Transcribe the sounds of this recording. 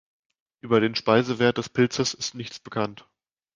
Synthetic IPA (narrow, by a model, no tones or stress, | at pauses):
ʔyːbɐɾeːnʃpaɪzəveːɐt̚d̥ɛspʰɪlt͡səsɪstnɪçt͡sb̥əkʰant